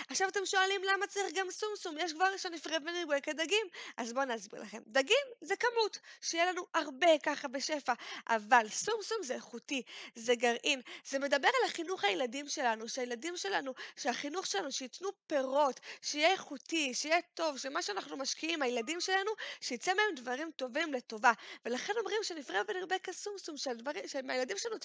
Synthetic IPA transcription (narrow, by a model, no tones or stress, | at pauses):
aχʃavate̞mʃo̞alimlamat͡saʁiχɡamsumsumjeʃ̬ɡvaʁiʃonifʁevbeniɡekedaɡimʔazbo̞neazbḭʁla̰χe̞md̪aɡimzekamutʃejelanuʔaʁbe̞kaχabe̞ʃe̞faʔa̰valsumsumzeχutizeɡaʁʔinzeme̞d̪abe̞ʁalaχinuχajeladimʃe̞lanuʃeajeladimʃe̞lanuʃeaχinuχʃelanuʃeitnupe̞ʁo̞tʃejeeχutiʃejeto̞vʃemaʃeanaχnumaʃkiimhajeladimʃe̞lanuʃejit͡semee̞mdvaʁimto̞vimle̞to̞vave̞laχe̞no̞mʁimʃenifʁeveniʁbekasumsumʃedviʃemajeladimʃeanu